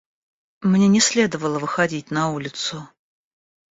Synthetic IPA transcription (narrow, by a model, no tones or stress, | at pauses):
mnʲenʲɪsʲlʲed̪əvəlˠəvɨxɐdʲit̚ʲnɐulʲɪt̪sʊ